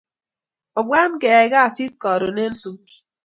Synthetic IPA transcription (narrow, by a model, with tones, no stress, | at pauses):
ɔ˨bwa˦nkɛ˨ɡa˦˨si˦t̚kɔ˨ɾo˨ne˦n˦su˦